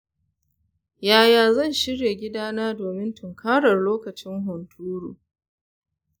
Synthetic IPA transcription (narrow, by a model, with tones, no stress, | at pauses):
jaː˨jaː˨zɐ˦˨nʃɪ˦ɽje˨ɡʲɪ˦daː˦naː˦doː˨mɪ˦ntʰʊ˨ŋkʰaː˦ɽɐ˨rloː˦kɐ˨t͡ʃɪ˦ŋɦʊ˨ntʰuː˦ɽuː˨